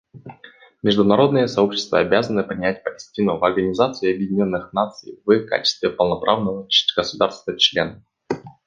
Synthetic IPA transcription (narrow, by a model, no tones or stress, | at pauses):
mʲɪʐd̪ʊnɐɾo̞d̪nɨjəsɐo̞pɕːɪ̥st̪və̰ɐbʲazənɨpɾʲɪnʲæt̚ʲpəlʲɪsʲtʲinʊvɐrɡənʲɪzat̪sɨɪɐbjɪdʲɪnʲo̞nːɨxnat̪sɨ̰jvɨka̰t͡ɕɪ̥st̪vʲɪpəlˠnɐpɾʔavnəvəɡ̥əsʊd̪arst̪vət͡ɕlʲenə